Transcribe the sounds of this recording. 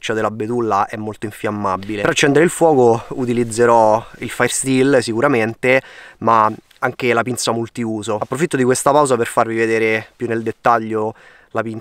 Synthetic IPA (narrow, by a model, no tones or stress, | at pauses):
t͡ʃːad̪elabet̪ulːaʔɛmːolt̪oiɱfjamːabileɾat͡ʃːɛnd̪eɾeilfwɔːkout̪ilid̪zːeɾɔilfajrst̪ilsikuɾament̪ema | aŋk̟elapint̪samult̪iuːzoapːɾofit̪ːod̪ikwest̪apawzaperfarvived̪eːɾepjunːeld̪et̪ːaʎːo | lapin